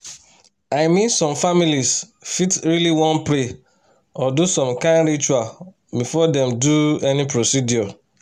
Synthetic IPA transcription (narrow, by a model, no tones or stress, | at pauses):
aɪmĩnsɔ̃mfamilisfitɹiliwɔ̃npɾe | ɔdusɔ̃mkãnɾit͡ʃual | bifɔdɛ̃mduɛnipɾosidiɔ